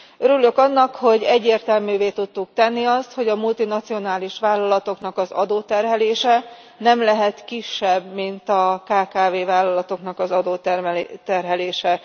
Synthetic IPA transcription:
øɾylːø̞kɒnːɒkho̞ɟɛɟːeːrt̪ɛlmyːveːt̪ut̪ːuk̚t̪ɛnːiɒst̪ho̞ɟɒmult̪inɒt̪sio̞naːliʃʋaːlːɒlɒt̪o̞knɒkɒzɒ̰d̪oːt̪ɛrɦɛleːʃɛ | nɛmlɛɦɛt̪kiʃːɛbmint̪ɒkaːkaːveːvaːlːɒlɒt̪o̞knɒkɒzɒd̪oːt̪ɛrmɛlt̪ɛrɦɛleːʃɛ

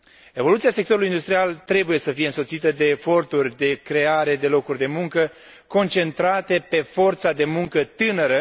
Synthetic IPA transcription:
e̞vo̞lut̪siasek̚t̪o̞ɾulujind̪ust̪ɾialt̪ɾe̞buje̞səfije̞ɨnso̞t̪sit̪əd̪e̞ːfo̞rt̪urʲd̪e̞kɾe̞aɾe̞d̪e̞lo̞kurʲd̪e̞muŋkə | ko̞nt͡ʃe̞nt̪ɾat̪e̞pe̞fo̞rt̪sad̪e̞muŋkət̪ɨnəɾə

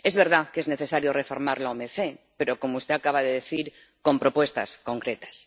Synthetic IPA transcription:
e̞zβe̞ɾð̞ake̞zne̞θe̞saɾjo̞refo̞ɾmaɾlaomeθe̞pe̞ɾo̞ko̞moust̪e̞akaβaðeðeθiɾ | ko̞mpɾo̞pwe̞st̪a̰sko̞ŋkɾe̞t̪ḁs

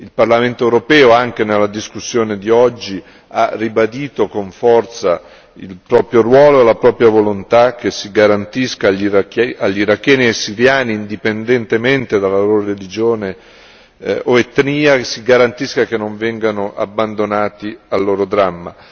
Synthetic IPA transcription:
ilparlament̪oewɾopɛːoaŋk̟enelːad̪iskusːjoːned̪iɔd͡ʒːi | arːibad̪iːt̪okoɱfɔrt̪sa̰ | ḭlpɾɔːpɾjorwɔːloelapɾɔːpɾjavolont̪ak̟ːesːiɡaɾant̪iskaʎiɾakaʎːiɾakːɛːniesːiɾjaːniːnd̪ipend̪ent̪ement̪ed̪alːaloɾorelid͡ʒoːne | oet̪niːasiɡaɾant̪iskak̟enːoɱvɛŋɡanoʔa̰bːand̪onaːt̪ialːoːɾod̪ɾamːa

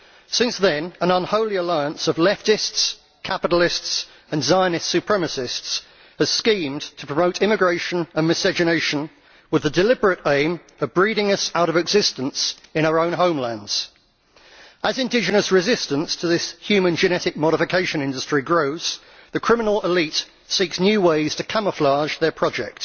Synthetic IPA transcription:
sɪ̃nsðə̃nə̃nə̃nhəʊliəlaɪə̃nsəvlɛftɪsts | kʰapɪɾl̩ɪsts | ə̃nzaɪ̃nɪsʉpʰɹ̥ɛməsɪsts | həz̥skĩːmtʰə̥pʰɹ̥əməʊtʰɪmɪɡɹeɪʃə̃nə̃nmɨsəd͡ʒɨneɪʃə̃n | wɪðədɪlɪbəɹətẽɪ̃m | əvbɹiːɾɪ̃ŋəsaʊɾəvɪɡzɪstə̃nsɪ̃ɾ̃aʊəɹə̃ʊ̃nɦə̃ʊ̃mlæ̃ndz̥ | əzɪ̃ndɪd͡ʒɨnəsɹɪzɪstə̃nstʰəðɪshjʉːmə̃nd͡ʒɨñɛtɪk̚mɒɾɪfɪkʰeɪʃə̃nɪ̃ndəstɹ̥iɡɹəʊz̥ | ðəkʰɹ̥ɪmɪnəlɪliˑt | siˑksnjʉːweɪz̥tʰəkʰãməflɑːʒðəpʰɹ̥ɒd͡ʒɛ̰k̚t

